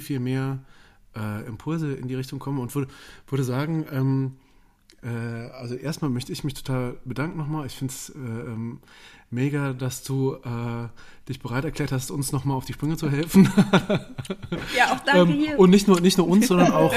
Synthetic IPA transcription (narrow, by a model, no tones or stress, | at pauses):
fiːlmeːɐʔɛːʔɪmpʰʊlzəɪ̰ndiːʁɪçtʊŋkʰɔmənʊntv̥ʏɐdəv̥ʏɐɾəzaːɡŋ̩ʔɛːm | ʔɛːʔalzoʔeːstmaːlmœçtəɪçmɪçtʰo̥tʰaːlbədaŋkŋ̩nɔχmaːlɪçfɪntsɛːʔɛːmmeːɡadasd̥uːʔɛːd̥ɪçb̥əʁaɪtɛɐklɛːɐthastʊnsnɔχmaːlaʊfd̥iːʃpʁ̥ʏŋət͡suɦɛlfn̩ | ɛːmʊntnɪçtnuːɐnɪçtnuːɐʊnsz̥ɔndɐnaʊx